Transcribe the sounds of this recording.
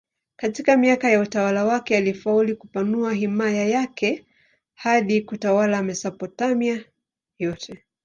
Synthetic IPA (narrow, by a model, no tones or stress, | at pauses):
katikamiakajautawalawakɛalifaulikupanuaɦimajajakɛ | haɗikutawalamɛsapɔtamia | jɔtʰɛ